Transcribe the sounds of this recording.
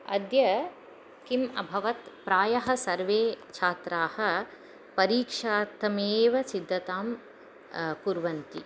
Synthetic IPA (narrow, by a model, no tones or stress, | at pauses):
ɐ̰d̪jɐ | kimɐ̰bʱɐʋɐt̪pɾaːjɐɦɐ̆sɐɾʋeːt͡ʃʰaːt̪ɾaːhɐ̆ | pɐɾiːkʂaːt̪ɐmeːʋɐsid̪ʱːɐt̪aːm | kuɾʋɐnt̪i